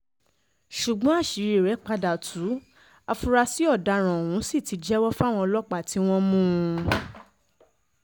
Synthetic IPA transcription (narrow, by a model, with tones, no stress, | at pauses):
ʃu˨ɡ͡bɔ̃˨˦a˦˨ʃi˨˦ɾe˨ɾɛ˨˦k͡pa˧da˨tʰu˨˦ | a˧fu˧ɾa˧si˨˦ɔ˦˨da˧˨ɾ̃ã˨o˨wũ˨˦si˦˨ti˨˧d͡ʒɛ˦wɔ˦fa˦w̃ɔ̃˧lɔ˦k͡pa˦˨ti˨˦w̃ɔ̃˦mũ˦˧